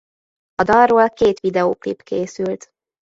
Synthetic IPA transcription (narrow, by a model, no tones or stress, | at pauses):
ɒd̪ɒrroːlkeːt̪ʋid̪ɛoːklḭpkeːsylt̪